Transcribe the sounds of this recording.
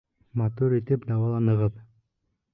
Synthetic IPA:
mat̪uɾit̪ɘpd̪ɑwɑlˠɑnɤ̆ʁɤp

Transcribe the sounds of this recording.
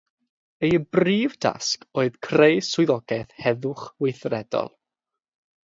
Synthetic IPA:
ejəbriːvda̰skoːɨðkʰrejsʊɨðɔɡ̥ɛθhɛðʊχwɪjθrɛdɔ̰lˠ

